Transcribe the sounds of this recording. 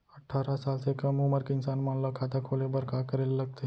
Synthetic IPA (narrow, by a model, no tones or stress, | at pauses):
ɐʈʰːaːɾasaːlsekɐmʊməɾkeɪnsaːnmãːnlɐkʰaːt̪akʰoːlebɐɾkaːkəɾellɐɡ̚t̪eɦ